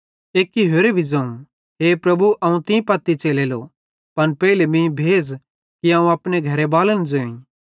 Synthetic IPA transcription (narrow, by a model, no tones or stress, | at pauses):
eːkːiɦoːɾebʱid͡zɐ̃ũ | ɦeːpɾɐbuʔɐũt̪ɪ̃pɐt̪ːit͡ʃeːlelo | pɐnpɛːilemĩbʱeːd͡z | kiãːũɐːpneɡʱɐɾebaːlənd͡zoːĩ